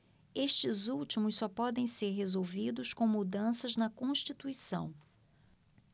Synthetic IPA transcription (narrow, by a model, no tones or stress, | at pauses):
eʃt͡ʃɪzuwt͡ʃimʊssɔpɔd̪ẽj̃seɾɦezowvid̪ʊskõw̃mud̪ɐ̃sɐznɐkõʃt͡ʃit̪uisɐ̰̃w̃